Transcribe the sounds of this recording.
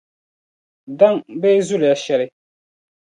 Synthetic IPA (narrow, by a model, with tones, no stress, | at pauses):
da˦ŋbɛː˦zʊ˦lɪ˨ja˨ʃɛ˨ɾɪ˦